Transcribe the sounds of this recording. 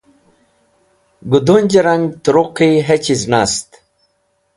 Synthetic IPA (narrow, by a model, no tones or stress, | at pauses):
ɡud̪unʲd͡ʑɐɾaŋɡt̪uɾuqiɦet͡ɕiznast̪